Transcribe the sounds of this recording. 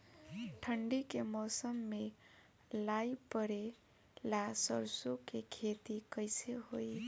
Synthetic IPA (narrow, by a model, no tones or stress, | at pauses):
ʈʰəɳɖikemɔsəmːe | laipəɾe | lasəɾsukekʰet̪ikəjseɦoj